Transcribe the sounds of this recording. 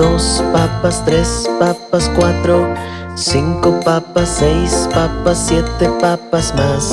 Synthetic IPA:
ospapast̪ɾespapaskwat̪ɾo | siŋkopapasːejspapasːjet̪epapasmas

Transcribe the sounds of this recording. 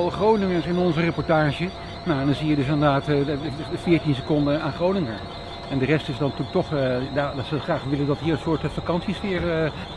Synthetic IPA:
lˠχrownɪŋəɹsɪnɔnzərəpɔɹtaːʒə | nawndɑnzijədɵs̬ɪndəɹdaːt | fɪːɹtinsəkɔndəaːnχrownɪŋəɹ | ɛndərɛstɪsdɑntyk̚tɔχdadɑtsəχraːχʋɪləndɑtɦiːrənsʊːtfakɑnsisfɪːɹə

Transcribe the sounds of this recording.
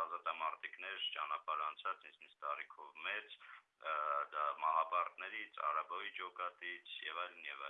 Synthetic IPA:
ɑzɑt̪ɑmɑɾt̪iknɛɾt͡ʃɑnɑpɑɾɑnt͡sʰɑt͡sint͡sʰninst̪ɑɾikʰɔvmɛt͡s | d̪ɑmɑɦɑbɑɾt̪nɛɾit͡sʰɑ̰ɾɑbɔjid͡ʒɔkɑt̪it͡sʰjɛ̰vɑjlnjɛvɑj

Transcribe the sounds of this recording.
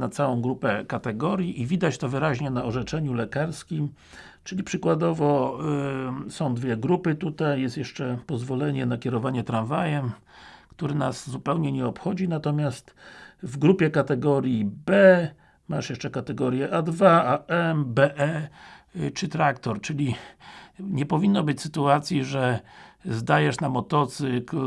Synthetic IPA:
nat̪sawɔ̃w̃ɡɾupɛkat̪ɛɡɔɾʲjiʔivʲid̪at͡ɕt̪ɔvɘɾaʑɲɛnaɔʐɛt͡ʂɛɲulɛkaɾskʲim | t͡ʂɘlʲipʂɘkwad̪ɔvɔ | sɔ̃w̃d̪vʲjɛɡɾupɘt̪ut̪ajːɛst̪jɛʂt͡ʂɛpɔzvɔlɛɲɛnakʲɛɾɔvaɲɛt̪ɾanvajɛm | kt̪uɾɘnaszupɛwɲɛɲɛɔpxɔd͡ʑinat̪ɔmʲjast̪vɡɾupʲjɛkat̪ɛɡɔɾʲjibɛ | maʂjɛʂt͡ʂɛkat̪ɛɡɔɾʲjɛʔad̪vaaʔɛmbɛʔɛ | t͡ʂɘt̪ɾakt̪ɔɾt͡ʂɘlʲi | ɲɛpɔvʲinːɔbɘt͡ɕsɘ̥t̪uat̪sʲjiʐɛzd̪ajɛʂnamɔt̪ɔt̪sɘk

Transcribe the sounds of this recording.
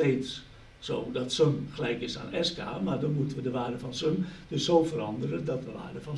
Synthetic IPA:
eːtsː | o̰ːdɔtsømxəlɛjkɪsa̰ːnɛska̰ːmardɔnmutənʋədəʋaːrdəfɔnsømd̥øssoːfəɾɑndəɾədɔt̚dəʋa̰ːrdəfɔn

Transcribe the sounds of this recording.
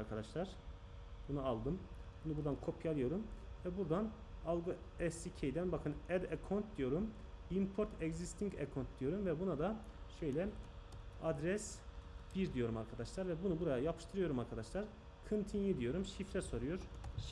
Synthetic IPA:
ɾkʰad̪aʃlˠaɾ̥ | bunualˠd̪ɯmbunubuɾd̪ankʰo̞pʰjalˠɯjo̞ɾumvɛbuɾd̪an | alˠɡoɛsicʰejd̪ænbakʰɯnɛd̪ekʰont̪̚d̪ijo̞ɾumimpʰo̞ɾt̪ʰɛɡzist̪ʰiŋkḛkʰont̪̚d̪ijo̞ɾumvɛbunad̪a | ʃø̞jlʲɛ | ad̪ɾɛsb̥iɾd̪ijo̞ɾumaɾkʰad̪aʃlˠaɾvɛbunubuɾajajapʰɯ̥ʃt̪ʰɯɾɯjo̞ɾumaɾkʰad̪aʃlˠaɾ | kʰɯnt̪ʰinjid̪ijo̞ɾumʃiflʲɛso̞ɾujo̞ɾ

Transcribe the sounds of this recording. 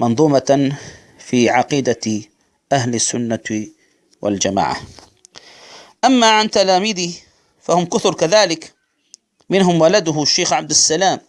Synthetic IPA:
mɑnðˤuːma | fiːʕɑqiːd̪a | ʔahlasːʊnːa | wa̰ld͡ʒama̰ːʕa̰ | ʔamːaʕant̪alaːmiːd̪i | fahʊmkʊθʊɾkaðaːlɪk | mɪnɦʊmwalad̪ʊhʃːeːxʕab̚d̪asːalaːm

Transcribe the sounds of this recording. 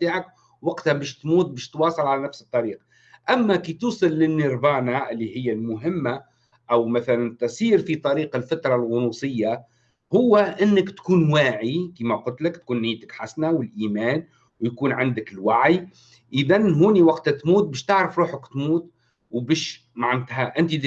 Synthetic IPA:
t̪iːʕak | wɑqt̪habæːʃt̪muːt̪̚bæːʃt̪wɑːsˤɨlʕalænæfsɨt̪ˤːɑɾiːq | ʔæmːækit̪uːsˤɨlːɪnːɪɾbɑːnaʔɪlːihɪjːalmʊɦɪmːa | ʔæwmæθælænt̪ɑsˤiːɾfit̪ˤɑɾiːqɪlfat̪ɾˤɑlɣʊnuːsˤɨjːa | hʊwːæʔɪnːəkt̪kuːnwaːʕikiːmæqʊlt̪ləkt̪̚kuːnːɪːt̪əkħasnawɪlʔiːmæːn | wjkuːnʕand̪əkɪlwaʕj | ʔəðænɦuːniwɑqt̪t̪muːt̪̚bæːʃt̪aʕɾəfɾˤuːħəkt̪muːt̪ | wbæːʃ | maʕnt̪ɦæʔɪnt̪i

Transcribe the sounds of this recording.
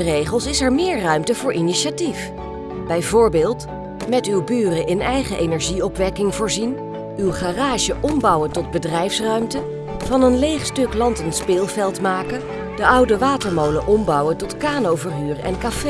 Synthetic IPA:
ərejχəlˠsɪsɛɹmɪːɹrœɥmtəvʊːɹʔiniʃatif | b̥ɛjvʊːɹbɪːlˠt | mɛtywbyːrəʔɪnɛjχəʔejnɛɹʒiɔpʋɛkɪŋvʊːɹzin | ywχaraːʒəʔɔmbɑwəntɔd̚bədrɛjfsrœɥmtə | vɑnənlejχstɵklɑntənspɪːlˠvɛlˠtmaːkə | d̥əʔɑwdəʋaːtəɹmowləʔɔmbɑwəntɔtkaːnowvəɹɦyːrɛ̰nkafe

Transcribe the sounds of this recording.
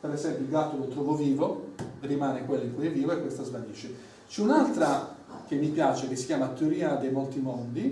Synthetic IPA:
peɾezɛmpjoilɡat̪ːolot̪ɾɔːvoviːvorimaːnekwelːaiŋkujeviːvoekːwest̪azvad̪iʃːe | t͡ʃɛunalt̪ɾa | k̟emːipjaːt͡ʃek̟esːi̥kʲjaːmat̪ːeoɾiːad̪ejmolt̪imond̪i

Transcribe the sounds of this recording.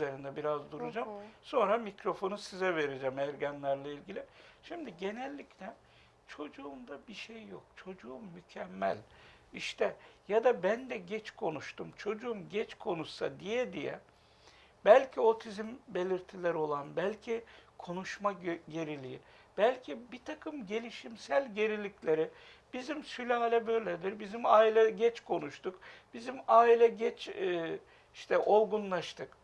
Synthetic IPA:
e̞ɾind̪ɛbiɾazd̪uɾud͡ʒamso̞nɾamicɾo̞fo̞nusizɛve̞ɾed͡ʒɛmæɾɟanlʲæɾlʲˠailʲɟilʲɪʃimd̪iɟe̞nɛlʲːiclʲɛ | t͡ʃʰo̞d͡ʒuːmd̪abiʃejːok̚t͡ʃʰo̞d͡ʒuumːycʰɛmːæ̰lʲ | iʃt̪ʰɛjad̪abænd̪ɛɟɛt͡ʃkʰo̞nuʃt̪ʰumt͡ʃʰo̞d͡ʒuumɟɛt͡ʃkʰo̞nusad̪ijɛd̪ijɛ̰ | bælʲcʰio̞t̪ʰizimbe̞lʲiɾt̪ʰilʲɛɾo̞lˠanbælʲcʰikʰo̞nuʃmaɟe̞ɾilʲijin | b̥ælʲcʰibit̪ʰakʰɯmɟe̞lʲiʃimsælʲɟe̞ɾilʲiclʲe̞ɾɪb̥izimsylʲaːlʲɛbø̞jlʲed̪iɾbizimaːilʲɛɟɛt͡ʃkʰo̞nuʃt̪ukb̥izimaːilʲɛɟɛt͡ʃː | iʃt̪ʰɛʔo̞lˠɡunlˠaʃt̪ʰɯk

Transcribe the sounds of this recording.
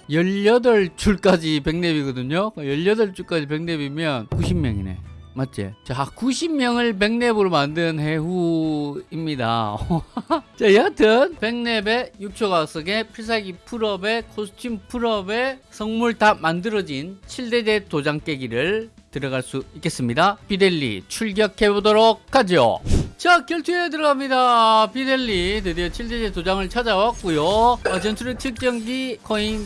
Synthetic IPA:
jʌʎːʌdʌɭt͡ɕ͈uɭk͈ad͡ʑipe̞ŋne̞biɡʌdɯɲokɯjʌʎːʌdʌɭt͡ɕ͈uɭk͈ad͡ʑipe̞ŋne̞bimjʌnkuɕʰimmjʌŋḭne̞̰mat͡ɕ͈ḛt͡ɕakuɕʰimmjʌŋɯɭp̬e̞ŋne̞bɯɾomandɯnɯnhe̞ɸu | imɲida̰o | t͡ɕaiʌt͈ʰɯnpe̞ŋne̞be̞juk̚t͡ɕʰoɡas͈ʰʌɡe̞pʰiɭs̬ʰaɡipʰuɾʌbe̞kʰosʰɯ̥t͡ɕʰimpʰuɾʌbe̞sʰʌŋmuɭtamandɯɾʌd͡ʑint͡ɕʰiɭdede̞tod͡ʑaŋk͈e̞ɡiɾɯɭ | tɯɾʌɣaɭs͈uik͈e̞s͈ɯmɲidapide̞ʎːḭt͡ɕʰuɭɡjʌkʰe̞bodoɾok̚k͈ʰad͡ʑio̰t͡ɕakjʌɭtʰet̬ɯɾʌɡamɲidapide̞ʎːitedet͡ɕʰiɭde̞d͡ʑe̞tod͡ʑaŋɯɭt͡ɕʰad͡ʑawak͈̚ujoʌd͡ʑʌnt͡ɕʰuɾɯt͡ɕʰɯk̚t͡ɕ͈ʌŋɡikʌin

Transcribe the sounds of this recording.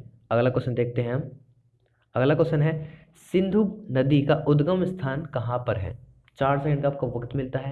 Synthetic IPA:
ɐɡlakɔsənd̪eːk̚ʰt̪eɦɛ̃ɐm | ɐɡlakɔsənɦɛː | sɪ̃nd̪ʱunɐd̪ikaʔʊd̪ɡəmst̪ʰaːnkɐɦãpɐɾɦɛ̰ː | t͡ʃaːɾsɛkə̃ɳɖkaːp̚koʋɐkt̪mɪlt̪aɦɛː

